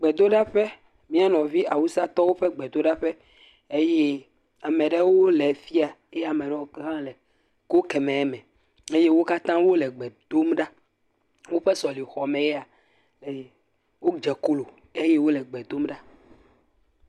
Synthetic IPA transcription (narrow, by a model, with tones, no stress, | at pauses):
ɡ͡bɛ˨d̪o˦ɖa˦ɸɛ˦ | mĩ˦a˦nɔ̃˨vi˦ʔa˨wu˦sa˦t̪ɔ˦wo˦ɸɛ˦ɡ͡bɛ˨d̪o˦ɖa˦ɸɛ˦ | e˦je˦ | a˨mɛ̃˨ɖɛ˦wo˦lɛ˨fi˦a˨e˦ja˨mɛ̃˨ɖɛ˦wo˦ɦã˦lɛ˨ | kwo˦kɛ˨mɛ̃˨ɛ˦mɛ̃˨ | e˦je˦wo˦ka˦t̪ã˦wo˦lɛ˨ɡ͡bɛ˨d̪̥o˦mɖa˦ | wo˦ɸɛ˦sɔ˨li˨xɔ˨mɛ̃˨jɛ˦a˨ | lɛ˨ | wo˦d͡ʒɛ˨ko˦lo˨ | e˦je˦wo˦lɛ˨ɡ͡bɛ˨d̪o˦mɖa˦